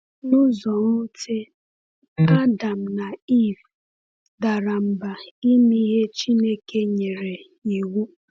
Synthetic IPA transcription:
nʊ˦zɔ˨ŋo˦te˦ | a˦da˨m̩˨na˨i˦˨v | da˨ɾa˨m̩˨ba˨i˦mi˦ɦe˦t͡ʃi˦ne˦ke˦ɲe˨ɾe˨ | i˨wu˦

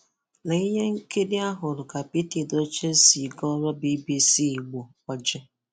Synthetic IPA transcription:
na˨i˦ɲe˦ŋ̩˦ke˦dɪ˦a˦ɦʊ˨ɾʊ˨ka˨pi˦ti˨do˦t͡ʃe˦si˨ɡɔ˦ɾɔ˦bi˦bi˦si˦˨ɡ͡bo˨kʷa˨d͡ʒe˦

